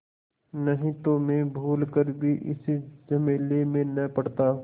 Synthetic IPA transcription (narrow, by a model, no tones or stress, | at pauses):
nɐɦĩt̪omẽbʱuːlkəɾbʱiʔɪ̰sid͡ʒɐmeːlemẽnɐpɐɽt̪aː